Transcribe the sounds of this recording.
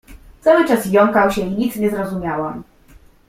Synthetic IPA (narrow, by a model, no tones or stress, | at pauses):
t̪sawɘt͡ʂasjɔŋkawɕɛiɲit̪sɲɛzɾɔzumʲjawam